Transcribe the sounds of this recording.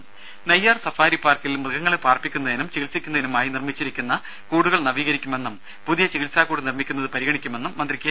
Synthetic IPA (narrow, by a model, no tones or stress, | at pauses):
nɐjːaːrsɐfaːɾipaːrkilmrɨɣɐŋːɐɭepaːrpikʲːunːɐðinumt͡ɕeɣilsikʲːunːɐðinumaːjinirmit͡ɕːiɾikʲːunːɐ | kuːɽuɣɐɭnɐʋiːɣɐɾikʲːume̞nːum | puðijɐt͡ɕeɣilsaːkːuːɽunirmikʲːunːɐðɨpɐɾiɣɐɳikʲːume̞nːumːɐnd̪rikʲːjɐ